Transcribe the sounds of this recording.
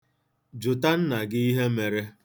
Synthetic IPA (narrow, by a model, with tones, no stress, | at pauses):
d͡ʒʊ˨ta˦n̩˦na˨ɡɪ˦i˦ɦe˦me˨ɾe˦